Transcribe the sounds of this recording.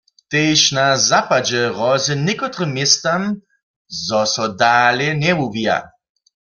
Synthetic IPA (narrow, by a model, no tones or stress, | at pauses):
t̪ejʃnazapad͡ʒɛʁɔzɛnikɔt̪ʁɨmːjɛst̪am | zɔsɔdaːljɛnɛwuvia̰